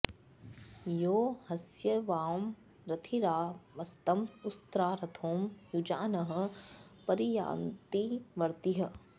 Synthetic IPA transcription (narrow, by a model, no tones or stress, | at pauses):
joːhɐsjɐʋaːm | ɾɐt̪ʰiɾaːʋɐst̪ɐmʊst̪ɾaːɾɐt̪ʰoːmjud͡ʒaːnɐɦɐ̆pɐɾija̰ːnt̪iʋɐɾt̪iɦɐ̆